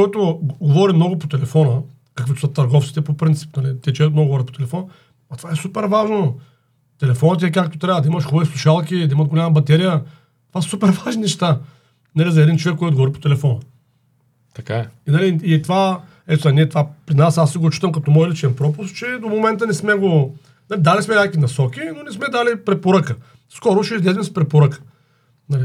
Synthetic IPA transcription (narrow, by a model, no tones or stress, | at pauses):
ɔjt̪ʊɡovɔɾimnɔɡʊpot̪ɛlɛfɔnə | kɐkvit̪osət̪ɐɾɡɔft̪si̥t̪ɛpopɾint̪si̥pnɐlit̪ɛt͡ʃovɛkt̪mnɔɡovɔɾət̪̚po̥t̪ɛlɛfɔn | ɐt̪vaɛsupɛɾvaʒno | t̪ɛlɛfɔnət̪̬ɛɛkak̚t̪o̥t̪ɾʲavəd̪ɐimɐʃxɔbvislˠuʃalˠk̬ʲid̪ɐimət̪ɡolʲamɐbɐt̪ɛɾijə | t̪ovassupɛɾvaʒninɛʃt̪a | nɐlizɐɛd̪int͡ʃovɛkːojt̪ɡɔɔɾipo̥t̪ɛlɛfɔn | t̪ɐkaɛinɐliːt̪va | ɛt̪zɛniɛt̪vapɾinasasiɡot͡ʃi̥t̪əmkɐt̪ɔmɔjlit͡ʃɛnpɾɔpʊst̪t͡ʃɛd̪omomɛnt̪ənɛsmɛɡo | nalid̪alismɛnʲakvinɐsɔkʲinonɛsmɛd̪alipɾɛpoɾəkə | skɔɾʊʃɛizlɛzvɛmspɾɛpoɾəkə̥ | nɐli